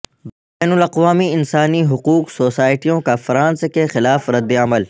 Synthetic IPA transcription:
b | ɛːnʊlɐqʋaːmiɪnsaːniɦʊquːqsoːsaːɪʈijõkafɾãːnskexɪlaːfɾɐd̪ːeɐməl

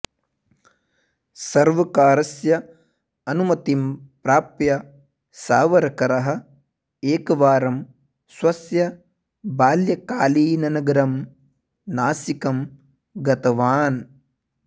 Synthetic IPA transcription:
sɐɾʋɐkaːɾɐsjɐ | ɐnumɐt̪impɾaːpjɐ | saːʋɐɾɐkɐɾɐɦɐ̆ | eːkɐʋaːɾɐm | swɐsjɐ | baːljɐkaːliːnɐnɐɡɐɾɐm | naːsikɐm | ɡɐt̪ɐʋaːn

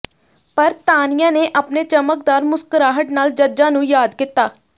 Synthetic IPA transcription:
pəɾt̪aːnɪjãːneːʔapneːt͡ʃəmək̚d̪aːɾmʊskəɾaːɦəʈnaːld͡ʒəd͡ʒãːnũːjaːd̪kɪt̪ːaː

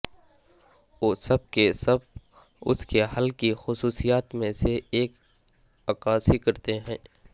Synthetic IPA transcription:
oːsɐb̚kesɐb̚ | ʊ̰skeɦɐlkixʊsuːsijaːt̪mẽseːk | ɐkaːsikɐɾt̪eɦɛ̃ː

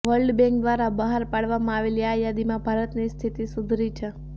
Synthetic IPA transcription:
ʋəɾlɖbɛ̃ŋkd̪ʋaɾabəɦaɾpaɭʋamãaʋeliajad̪imãbʱaɾət̪nist̪ʰit̪isʊd̪ʱɾit͡ʃʰe

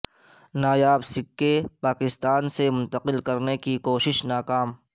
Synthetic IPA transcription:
naːjaːbsɪkːepaːkɪst̪aːnsemʊ̃nt̪əqɪlkɐɾnekikoːʃɪʃnaːkaːm

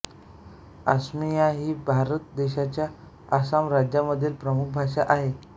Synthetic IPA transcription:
a̰smijaɦiːbʱaɾət̪̚d̪eɕat͡ɕjaː | samɾad͡ʑjaməd̪ʱːiːlpɾəmuk̚ʰbʱaʂaʔaɦe

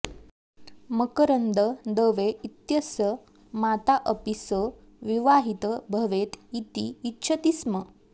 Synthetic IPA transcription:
məkəɾənd̪əd̪əʋeit̪jəsə | mat̪aʔəpisə | ʋiʋaɦit̪əbʱəʋet̪it̪iːtːɕʰət̪ismə

